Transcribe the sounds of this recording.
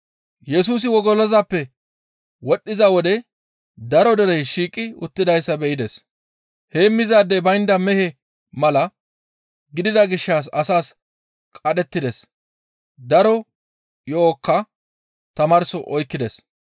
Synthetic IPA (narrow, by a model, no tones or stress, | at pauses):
jɛsuːs̬ɪwɔɡɔlɔzɐpːɛ | wɔɗːɪzɐwɔd̪ɛ | d̪ɐɾɔd̪ɛɾɛjʃiːkʼːɪʊ̰t̪ːɪd̪ɐjsːɐbɛʔɪd̪ɛs | heːmːɪzaːd̪ːɛbɐjnd̪ɐmɛhɛ | mɐlɐ | ɡɪd̪ɪd̪ɐɡɪʃːaːs̬ɐsaːs | kʼɐɗɛt̪ːɪd̪ɛs | d̪ɐɾɔ | joːkːɐ | t̪ɐmɐɾsɔʔɔjkːɪd̪ɛs